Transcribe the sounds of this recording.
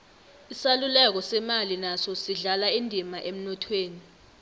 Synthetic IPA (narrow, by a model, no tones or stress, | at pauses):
isalulɛk̬ɔsɛmalinasɔsiɮalaindʱimaʔem̩nɔtʰweːni